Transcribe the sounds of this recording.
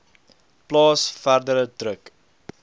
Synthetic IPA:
plɑːsfærdəɾətrək

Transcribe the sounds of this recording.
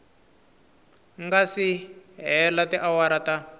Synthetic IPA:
ŋɡasiɦɛlatiʔawaɾata

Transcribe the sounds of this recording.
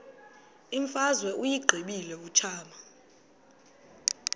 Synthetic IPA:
iɱfazwɛʔujiɡ͡ǃʱiɓilɛut͡ʃʰaːma

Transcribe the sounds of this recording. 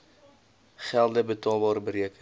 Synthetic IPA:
χælˠdəbətɑːlˠbɑːɾəbəɾiəkə

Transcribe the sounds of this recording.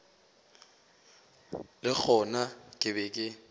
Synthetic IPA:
lɪk͡xʰɔnakʼɪbɛkʼɪ

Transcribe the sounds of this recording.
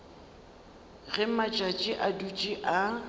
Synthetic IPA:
ɣɛmat͡ʃʼat͡ʃʼɪʔadut͡ʃʼiʔa

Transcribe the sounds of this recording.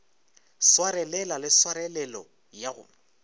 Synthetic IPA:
swaɾɛlɛlalɪswaɾɛlɛlɔ̰ | jaɣʊ̰

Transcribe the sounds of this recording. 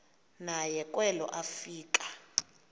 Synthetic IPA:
najɛkʼwɛlɔ̰ʔafiːkʼḁ

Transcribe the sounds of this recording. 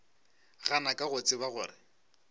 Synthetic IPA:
ɣanakʼaɣʊt͡sʼɪbaɣʊːrɪ

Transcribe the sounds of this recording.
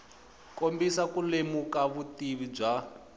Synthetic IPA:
kombisakulemukaβutiβib͡ʐa

